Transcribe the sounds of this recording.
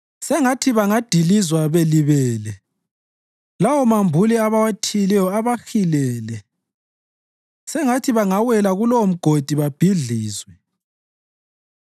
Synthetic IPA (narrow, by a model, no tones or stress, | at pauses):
sɛŋatʰiβaŋad̥ʱilizwaβeliβɛːlɛ | lawɔmambʱuliaβawatʰilɛjɔaβaxilɛːlɛ | sɛŋatʰiβaŋawɛlaɣulom̩ɡ̥ʱod̥ʱiβab̥ʱiɮiːzwɛ